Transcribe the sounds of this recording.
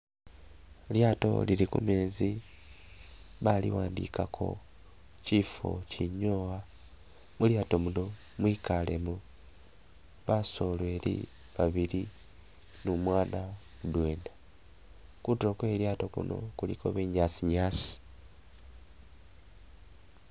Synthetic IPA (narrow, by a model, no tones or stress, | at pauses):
ljaːto̞̰lilikṵmeːzi | βalḭwaːndḭkakʰo̞̰ | ciːfo̞̰ciɲoːwa | muljaːto̞muno̞ | mwiːkale̞mu | βaso̞lwe̞ːlḭ | βaβiɾi | numwaːna | mudwe̞ːnda | kutiɾo̞kwe̞ːljaːto̞kṵno̞̰kuliko̰βeːɲaːsiɲaːsi̥